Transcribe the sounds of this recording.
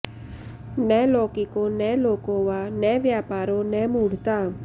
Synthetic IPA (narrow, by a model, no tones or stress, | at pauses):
nɛlokikonɛlokoʋanɛʋjapaːɾonɛmuɽ̤t̪a